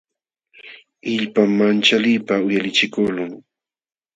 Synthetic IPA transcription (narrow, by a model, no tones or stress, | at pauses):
ɪʎpamːant͡ʃalijpaʊjalɪt͡ʃɪkʊlʊŋ